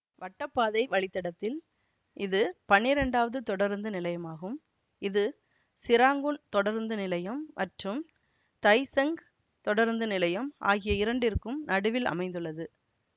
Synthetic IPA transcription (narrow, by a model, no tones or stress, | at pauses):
ʋɐʈːɐpːaːðɐɪʋɐɭɪt̪ːɐɽɐt̪ːɪl | ʔɪðɯpɐnːɪɾɛɳɖaːʋɐðɯt̪ɔɽɐɾnd̪ɯnɪlɐjɐmaːɣɯm | ɪðɯ | sɪɾaːŋɡɯɳt̪ɔɽɐɾnd̪ɯnɪlɐjɐmːɐʈrɯm | t̪ɐɪsɛŋɡ | t̪ɔɽɐɾnd̪ɯnɪlɐjɐmʔa̰ːɣɪjɐɪɾɐɳɖɪɾɯkːɯmnɐɽɯʋɪlɐ̰mɐɪ̃nd̪ɯɭːɐðɯ